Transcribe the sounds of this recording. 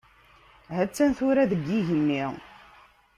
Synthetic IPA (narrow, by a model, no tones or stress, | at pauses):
ɦæt͡sːænθʊɾæðəɡːiʝənːi